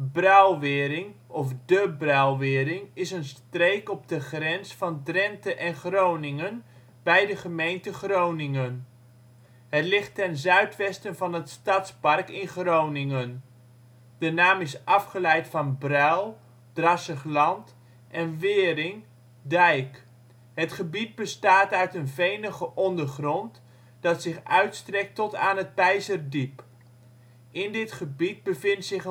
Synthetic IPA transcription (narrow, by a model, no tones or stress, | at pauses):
brœwʋɪːɾɪŋɔfdəbrœwʋɪːɾɪŋɪsənstrejkɔb̚dəχrɛnsfɑndrɛntəʔɛnχrownɪŋən | bɛjdəχəmejntəχrownɪŋən | ɦətlɪχtɛnzœɥtʋɛstənvɑnɦətstɑtspɑrkɪnχrownɪŋən | d̥ənaːmɪsʔɑfχəlɛjtfɑnbrœlˠ | d̥rɑsəχlɑnt | ʔɛnʋɪːɾɪŋ | dɛjk | ɦətχəbid̚bəstaːtœɥtənvejnəχəʔɔndərχrɔnt | d̥ɑtsɪχœɥtstrɛk̚tɔtaːnɦət̚pɛjzərdip | ɪndɪtχəbid̚bəvɪntsɪχ